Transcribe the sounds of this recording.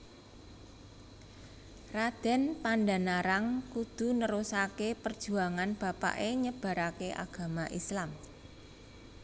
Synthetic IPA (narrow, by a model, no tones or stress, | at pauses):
rad̪̥ɛ̤npanda̤naɾaŋkud̪̥ṳnəɾusakepərd̥ʒ̥ṳaŋanb̥a̤pa̰ʔeɲəb̥a̤ɾakeʔa̰ɡ̥a̤maʔislam